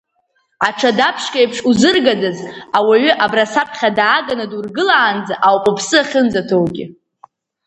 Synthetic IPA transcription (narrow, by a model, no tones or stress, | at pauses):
aʈ͡ʂʰadapʰʂkʼajpʰʂuzɨrɡadazawaɥʏʔabrasapʰχʲadaːɡanadurɡɨlaːnd͡zaʔawpʼopʰsɨaχʲənd͡zatʰowɡʲɪ̰